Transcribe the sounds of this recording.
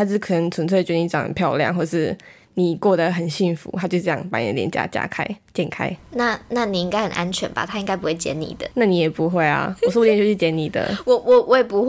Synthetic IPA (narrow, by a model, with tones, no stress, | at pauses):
a˥t͡ɕkʰɤ˨˩nə˧˦ŋt͡sʰwə˧˥nt͡sʰt͡ɕɥɛ˧˥də˧i˧˥ʈ͡ʂɑ̰˨˦ŋə̰˨npʰjɑ˥˧ʊljɑ̰˥˧ŋxwɔ˥˩ʈ͡ʂə˩ʂɻ̩˥˩ | ni˨˩kwɔ˥˩d̪ə˩xə˨˩nɕi˥˩nfṵ˧˦t̪ʰa˥t͡ɕjo˥˧ʂ̩˥˩jɑ̰˥˨ŋpa˧˥n̰˨˧˥ljɛ̰˧˥nt͡ɕja̰˥˧˩t͡ɕja̰˥˧˩kʰa̰˥ɪt͡ɕjɛ˥˧nkʰa̰˥ɪna˥˨na˥˩ni˨˩i˦˥ŋka˥ɪxə˨˩nʔa˦nt͡ɕʰɥɛ̰˨˦nba̰˨t̪ʰa˥i˥ŋɡa˥ɪpu˦˥we˥˩ɪt͡ɕjɛ̰˧˥nnḭ˨˩d̪ə˨˦na˥˩ni˨˩˦jɛ˨˩pu˧˦xwe˥˩ɪa̰˨˩wswɔ˥˧˥jt͡ɕo˥t͡ɕi˥˩t͡ɕjɛ˧˥ni˨˩d̪ə̰˦wɔ˨˩wɔ˨wɔ˧˦jɛ˨˩pu˧˦x